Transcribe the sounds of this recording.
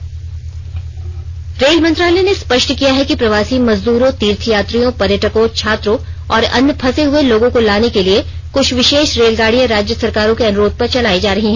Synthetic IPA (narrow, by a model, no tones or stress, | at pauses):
ɾeːlmɐnt̪ɾaːlɛnespɐʃʈkijaɦɛkipɾɐʋaːsimɐzd̪uːɾõt̪iːɾt̪ʰijaːt̪ɾijõpɐɾjəʈəkõt͡ʃʰaːt̪ɾõɔːɾɐ̰npʰɐseɦʊeloːɡõkolaːnekeliekʊt͡ʃʰʋɪʃeːʃɾeːlɡaːɽijəɾaːd͡ʒjəsɐɾkaːɾõkeɐnʊɾoːd̪̚pɐɾt͡ʃɐlaːid͡ʒaːɾɐɦiɦɛ̃ː